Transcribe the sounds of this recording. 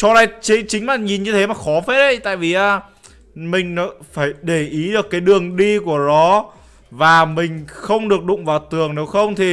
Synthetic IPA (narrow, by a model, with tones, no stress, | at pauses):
t͡ɕɔ˧ɗa˨˧jt͡ɕi˨˦t͡ɕï˨˦ŋ̟laː˨˩ɲi˨˩nɲɨ˧t̪ʰe˨˦maː˨˩xɔ˨˦fe˦˥t̚ʔə˨˧˦jt̪a̰ː˧˨jvi˨˩ʔaː˧˩ | mï˨˩ŋ̟nɔ˨˦faː˧˩jɗe˧˩ʔi˨˦ɗɨ˨˩əkːaː˨˦jɗɨ˨˩əŋɗi˧ku˧˩ənɔ˨˦ | vaː˨˩mï˨˩ŋ̟xə˧wŋ͡mɗɨ˨˩ək̚ɗʊ̰˧˨ŋ͡mvaː˨˩wt̪ɨ˨˩əŋne˨˦wxə˧wŋ͡mt̪ʰi˨˩